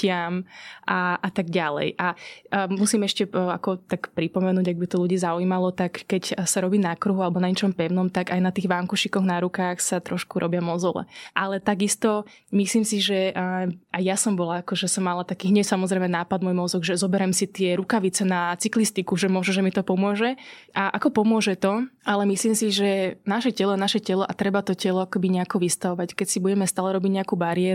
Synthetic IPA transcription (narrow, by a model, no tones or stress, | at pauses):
ɪamʔaʔat̪aɡɟalɛ̰jʔamusiːmɛʃcɛakɔt̪akpɾipɔmɛnuːɟaɡ̚bit̪ɔluɟiːzauiːmalɔt̪akːɛcsaɾɔbiːnakɾuɦualɛbɔnaɲɛt͡ʃɔmpɛʊnɔmt̪aɡajnat̪iːɣʋaŋkuʃikɔɣnaɾukaːxsat̪ɾɔʃkuɾʔɔbjamɔzɔlɛ̰ʔalɛt̪aɡist̪ɔ | misliːmsiʒɛ | ajjasɔmbɔlaakɔʒɛsɔmːalat̪akiːɦɲɛsamɔzɾɛjmɛnaːpad̪mɔjmɔzɔɡʒɛzɔbɛɾɛmsit̪ɪɛɾukaʋit͡sɛnat͡siklist̪ikuʒɛmʊɔʒɛʒɛmit̪ɔpɔmʊɔʒɛ | ʔaʔakɔpɔmʊɔʒɛt̪ɔʔalɛmisliːmsiʒɛnaʃɛcɛlɔanaʃɛcɛlɔʔat̪ɾɛbat̪ɔcɛlɔakɔbiɲɛakɔʋist̪aʋɔʋackɛcsibuɟɛmɛst̪aːlɛɾɔbiɟɲɛakuːbaɾiɛɾ